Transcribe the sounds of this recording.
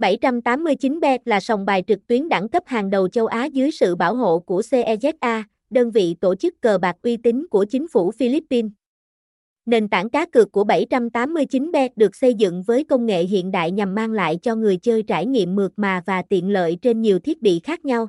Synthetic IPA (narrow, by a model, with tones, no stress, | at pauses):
ɓa˧˩jt͡ɕa˧mt̪aː˨˦mːɨ˧əjt͡ɕi˨˦nɓɛ˦˥t̚laː˨˩sa˨˩wŋ͡mɓaː˨˩jt͡ɕɨ˨˩k̚t̪wi˨˦ənɗa˧˩ŋkə˦˥p̚haː˨˩ŋɗə˨˩wt͡ɕə˧wʔaː˨˦zɨ˨˦jsɨ̰˧˨ɓaː˧˩wɦo̰˧˨ku˧˩əse˧ʔɛ˧zɛ˦˥t̚ʔaː˧ | ɗəː˧nvḭ˧˨t̪o˧˩t͡ɕɨ˦˥kːəː˨˩ɓaː˨˩k̚ʔwi˧t̪ï˨˦ŋ̟ku˧˩ət͡ɕï˨˦ŋ̟fu˧˩fi˧li˦˥pːi˧n | ne˨˩nt̪a̰ː˧˩ŋkaː˨˦kɨ˨˩əkːu˧˩əɓa˧˩jt͡ɕa˧mt̪aː˨˦mːɨ˧əjt͡ɕi˨˦nɓɛ˦˥t̚ɗɨ˨˩ək̚sə˧jzɨ̰˧˨ŋvəː˨˦jkə˧wŋ͡mŋḛ˧˨ɦḭ˧˨ənɗa̰ː˧˨jɲa˨˩mːaː˧ŋla̰ː˧˨jt͡ɕɔ˧ŋɨ˨˩əjt͡ɕəː˧jt͡ɕaː˧˩jŋḭ˧˨əmːɨ˨˩ək̚maː˨˩vaː˨˩t̪ḭ˧˨ənlə̰ː˧˨jt͡ɕe˧nɲi˨˩wt̪ʰi˦˥ət̚ɓḭ˧˨xaː˦˥k̚ɲa˧w